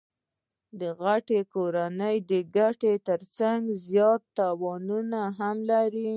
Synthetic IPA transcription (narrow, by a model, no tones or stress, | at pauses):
d̪əɣaʈekoɾanəjd̪əɡaʈet̪əɾt͡saŋɡzjɑt̪ːɑwɑnunaɦamlaɾi